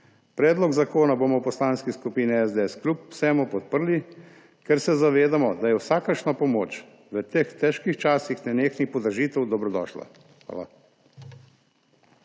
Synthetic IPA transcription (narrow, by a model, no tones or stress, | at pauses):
pɾɛːd̪lɔɡzakoːnaboːmɔwpɔslaːnskiskupiːniɛzd̪eɛsklʲupw̥sɛːmupɔt̪̚pəɾli | kɛɾsɛzaʋeːd̪amɔd̪ajɛwsaːkəɾʃnapɔmoːt͡ʃ | ʋət̪ext̪ɛʃkixt͡ʃaːsixnɛneːxnixpɔd̪əɾʒiːt̪ɛwd̪ɔbɾɔd̪ɔ̰ʃla̰ | xʋa̰ːla̰